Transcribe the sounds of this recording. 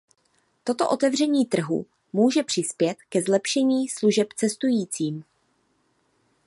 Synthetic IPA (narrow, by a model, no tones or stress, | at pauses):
t̪o̞t̪o̞̰ʔo̞t̪ɛvr̝ɛɲiːt̪r̩ɦṵ | muːʒɛpr̥ɪspjɛt̪kɛzlɛpʃɛɲiːsluʒɛpt͡sɛst̪ujiːt͡siːm